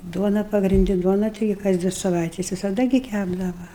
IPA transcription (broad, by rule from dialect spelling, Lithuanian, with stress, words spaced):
ˈduɔnɐ pɐɡrʲɪnʲˈdʲɪ ˈduɔnɐ ˈtʲɪɡʲɪ kɐs ˈdʲʋʲɪ sɐˈʋɐɪtʲɛs ʋʲɪsɐˈdɐ ɡʲɪ ˈkʲæbdɐʋɐ